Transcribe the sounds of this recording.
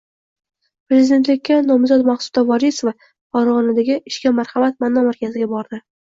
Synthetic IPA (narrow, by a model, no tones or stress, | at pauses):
pɾe̞zɪd̪e̞nt̪lɪk̚ʲːanɒmzɒt̪maχsʊ̥d̪avɒɾisova | ɒɾʁɑnɪd̪aɡʲɪʔɪʃkʲamaɾhɑmat̪̚manːɒmaɾkʲazɪɡʲabɒɾd̪ɪ